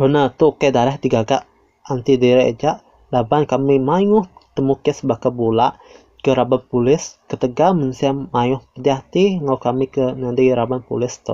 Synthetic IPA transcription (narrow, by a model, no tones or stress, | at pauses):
hənat̪ukadaɾahdiɡaɡaʔ | ant̪idiɾɛʔd͡ʒaʔ | dabankamimajʊht̪əmukɛsbakabulaʔ | kəɾabat̚pulɪskət̪əɡamənsiamajʊhpədiat̪iŋawkamikənadəɾabanpṵlɪst̪ɔ̰